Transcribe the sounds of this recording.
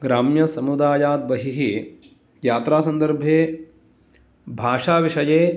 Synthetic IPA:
ɡɾaːmjɐsɐmud̪aːjaːd̪̚bɐɦiɦi | jaːt̪ɾaːsɐnd̪ɐɾbʱeː | bʱaːʂaːʋiʂɐjeː

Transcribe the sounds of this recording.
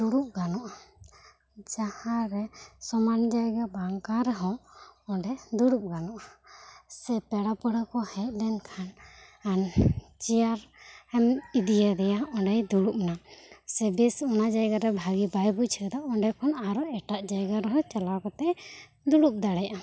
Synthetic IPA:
d̪uɽup̚ɡanɔʔ | d͡ʒahaɾɛsɔmand͡ʒajɡabaŋkaɾɛɦɔ̃ɔɖɛd̪uɽup̚ɡanɔʔ | sɛpɛɽapəɽakɔhɛc̚lɛnkʰanan | t͡ʃijaɾɛmid̪ijad̪ɛjaɔɖɛjd̪uɽup̚nasɛbisɔnad͡ʒajɡaɾɛbʱaɡibajbut͡ʃʰɛd̪aɔɳɖɛkʰɔnaɾɔɛʈaʔd͡ʒajɡaɾɛɦɔ̃t͡ʃalawkɔt̪ɛʔ | d̪uɽup̚d̪aɽɛjaʔa

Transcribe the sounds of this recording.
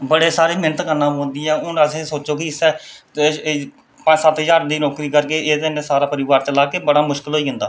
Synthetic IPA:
bəɽeːsaːɾeːmɪnət̪kəɾnaːõːnd̪iːɛːʊnəsẽːsoːt͡ʃoːkiːɪsɛː | pãsət̪jaːɾd̪iːnoːkɾiːkəɾkeːʔeːd̪ɪnẽːsaːɾaːpəɾɪʋaːɾt͡ʃəlaːkeːbəɽaːmʊʃkɪlɦoːiːɦʊ̃nd̪aː

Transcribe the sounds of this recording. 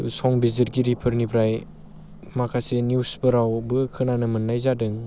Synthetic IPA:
sɔŋbiziɾɡiɾipʰɯɾnibʰɾaj | makʰasenjusbɯɾawbɯkʰɯnanɯmɯnːajzadɯŋ

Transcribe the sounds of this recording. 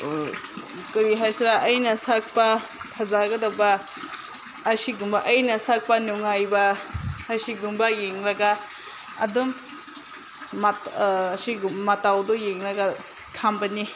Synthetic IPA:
kɯɾiɦajsiɾaʔɐjnɐsak̚pa | pʰazaɡɐdaba | siɡumbaʔɐjnɐsak̚panuŋajbaː | siɡumbajeŋɾaɡa | ɐdum | asiɡmatawdujeŋɾaɡa | kʰambani

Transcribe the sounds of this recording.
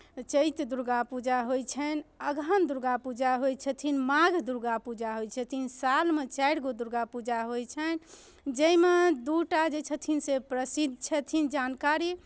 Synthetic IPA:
t͡ʃəjt̪d̪uɾɡapud͡ʒaɦojt͡ʃʰənəɡʱənd̪uɾɡapud͡ʒaɦojt͡ʃʰət̪ʰinmaɡʱd̪uɾɡapud͡ʒaɦojt͡ʃʰɛt̪ʰinsalmet͡ʃaɽɡod̪uɾɡapud͡ʒaɦojt͡ʃʰən | d͡ʒəjmed̪uʈad͡ʒet͡ʃʰət̪ʰinsepɾəsid̪̚ʱt͡ʃʰɛt̪ʰind͡ʒankaɾi

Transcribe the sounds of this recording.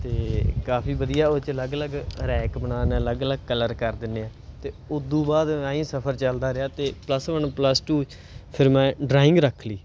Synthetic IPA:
t̪eːkaːpʰiːʋəd̪ijaːot͡ʃələɡələɡɾɛːkbənaːnːələɡələɡkələɾkəɾd̪ɪnːeaːt̪eːʊd̪ːũːbaːd̪mɛ̃ːĩːsəpʰəɾt͡ʃəld̪aːɾeaːt̪eːpləsʋənpləsʈuː | pʰɪɾmɛ̃ːɖɾaːɪ̃ŋɡɾəkʰliː

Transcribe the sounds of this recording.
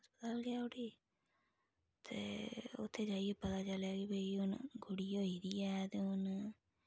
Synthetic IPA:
sbəd̪alɡɪaːoʈiː | t̪ḛːʊ̰t̪ʰːeːd͡ʒaːiepət̪aːt͡ʃəljaːɡibəiɦʊnɡʊɽiːoːiːd̪iːɛːt̪eːʊn

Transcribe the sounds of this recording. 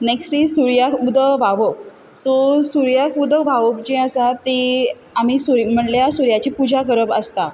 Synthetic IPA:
neksʈlisuɾjakud̪əʋaʋəp̚ | sosuɾjakud̪əʋaʋəp̚d͡ʑẽəsat̪e | amiːsuɾim̤əɳljasuɾjat͡ɕipud͡ʑʱaɡəɾəbəst̪a

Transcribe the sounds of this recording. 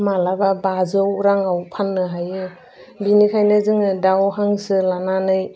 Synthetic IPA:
malababazɯwɾaŋawpʰanːɯɦajɯ | binikʰajnɯzɯŋɯdawhaŋsɯlananɯj

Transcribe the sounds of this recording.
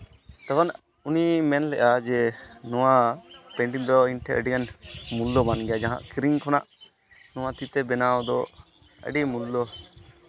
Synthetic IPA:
t̪akɔn | unimɛnlɛ̰ʔad͡ʒɛnɔwapɛɳɖiŋd̪ɔinʈʰɛʔəɖiɡanmulːɔbanɡɛjad͡ʒaɦã̰ʔkiɾiŋkʰɔnaʔ | nɔw̃at̪it̪ɛbɛnawɔd̪ɔ | ə̰ɖimulːɔ

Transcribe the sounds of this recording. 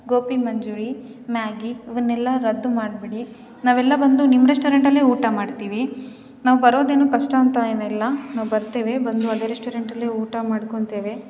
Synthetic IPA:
ɡoːpimɐɲd͡ʒuːɾimaːɡiiʋɐnːɛlːɐɾɐd̪ːumaːɽbeɽi | naːʋɛlːɐbɐnd̪unimːɾesʈoːɾeɳʈɐlːeːuːʈamaːɖt̪iːʋi | naːʋubɐɾo̞ːd̪eːnuːkɐʂʈaːnt̪aenɐilːɐnaːʋubɐɾt̪eːʋe̞bɐnd̪uɐd̪eːɾesʈoːɾeɳʈɐlːeːuːʈamaːɽkoɳt̪eːʋe̞

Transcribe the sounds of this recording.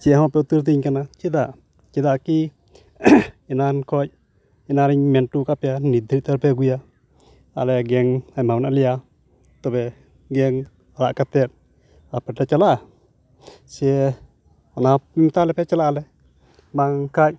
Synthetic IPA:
siɛɦɔ̃pɛut̪uɾt̪̬iɲkanat͡ʃid̪aʔ | t͡ʃid̪aki | inankɔc̚ | inaɾiɲmɛnʈukapjanid̪ɾit̪əɾpɛɡuja | a̰lɛɡɛŋamawnalija | t̪ɔbɛ | ɡɛŋ | ala̰ʔkat̪ɛt̪̚ | apɛʈat͡ʃalaʔ | sie | ɔnamimt̪alɛpat͡ʃalaʔːlɛ | baŋkaj̚

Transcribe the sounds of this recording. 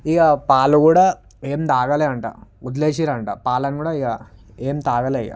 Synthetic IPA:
iɡapaːlukuːɽaː | eːmt̪aːɡɐleɐɳʈa̰ud̪leːʃiɾɐɳʈa̰ːpaːlɐnkuːɽaːiɡa | eːmt̪aːɡɐlɐja̰

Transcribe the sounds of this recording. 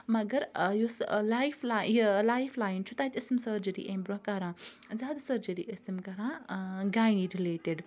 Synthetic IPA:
mɐɡɐɾjoslajflalaːjfʰlaːjnt͡ʃʰut̪aːt̪ʲəsimsəːɾd͡ʒəɾḭʔẽmbɾokɐɾãːzaːd̪səːɾd͡ʒəɾḭʔəsimkɐɾãːɡajĩɾileːʈeɖ

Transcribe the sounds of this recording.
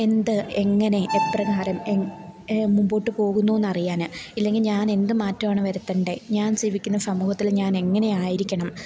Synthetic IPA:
e̞nd̪ɨe̞ŋːɐne̞ʔetrɐɣaːɾɐme | mumbo̞ːʈːɨpo̞ːɣunːuʋe̞nːɐrijaːnɨilːe̞ŋɡilɲaːne̞nd̪ɨmaːtːɐmaːɳɨʋɐɾut̪ːɐɳɖeɲaːnd͡ʑiːʋikʲːunːɐsɐmuːhɐt̪ːilɲaːne̞ŋːɐne̞aːjiɾikʲːɐɳɐm

